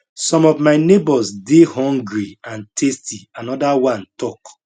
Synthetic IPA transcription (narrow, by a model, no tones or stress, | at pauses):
sɔ̃mɔvmaɪnebɔsdehɔ̃ŋɡɹiãntʰestianɔdawãntɔk